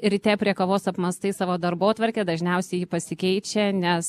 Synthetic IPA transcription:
ɪɾʲt̪ʲɛːpʲɾʲiɛkoʋoːsɐpmɐst̪ɐɪsɑːʋoːd̪ɐɾboːt̪ʋɐɾʲkʲeːd̪ɐʒʲnʲɛʊsʲɛɪjiːpɐsʲɪkʲɛɪt͡ʃʲɛnʲɛs

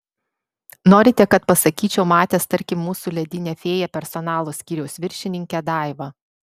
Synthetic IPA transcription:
noːɾʲɪt̪ʲɛkɐt̪̚pɐsɐkʲiːt͡ʃʲɛʊmɑːt̪ʲeːst̪ɐɾʲkʲɪmːuːsuːlʲɛd̪ʲɪnʲɛfʲeːjɛpʲɛɾsɔnɑːlˠoːsʲkʲiːɾʲɛʊsʋʲɪɾʲʃʲɪnʲɪŋʲkʲɛd̪ɑˑɪʋɐ

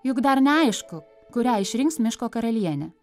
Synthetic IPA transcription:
jʊkd̪ɐɾnʲɛɐɪʃkʊ | kʊɾʲæːɪʃʲɾʲɪŋksmʲɪʃkoːkɐɾɐlʲiɛnʲɛ

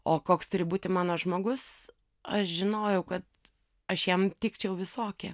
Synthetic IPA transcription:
oːkoːkst̪ʊɾʲɪbuːt̪ʲɪmɑːnoːʒmoːɡʊs | ɐʃʒʲɪnoːjɛʊkɐt̪ | ɐʃjɛmt̪ʲiːkt͡ʃʲɛʊʋʲɪsoːkʲɛ

